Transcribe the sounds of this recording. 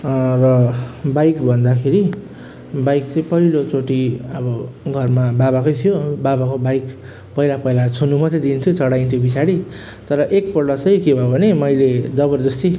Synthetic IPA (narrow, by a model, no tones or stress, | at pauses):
rʌbajkbʱʌnd̪akʰeɾi | bajk̚t͡sʌj̃pʌilot͡soʈiʌbʌɡʱʌrmababakojt̪ʰijobabakobajk | pʌilapʌjlat͡sʰunumʌt̪ed̪int̪ʰjot͡sʌɽajnt̪ʰjobisaɽi | t̪ʌɾʌʔek̚pʌrɽʌt͡sʌjkebʱʌobʱʌnemʌjled͡zʌbʌrd̪ʌst̪i